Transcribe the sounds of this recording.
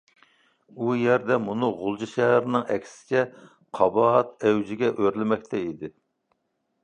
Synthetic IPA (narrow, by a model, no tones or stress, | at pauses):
ujɛɾd̪ɛmunɨʁʊlˠd͡ʒiʃɛɦæɾɪnɨŋɛkʲʰsɪ̥t͡ʃʰɛ | qʰɑbɑt̪ɛwd͡ʒɪɡʲɛʔøɾlɪmɛkʲt̪ʰɛid̪ɪ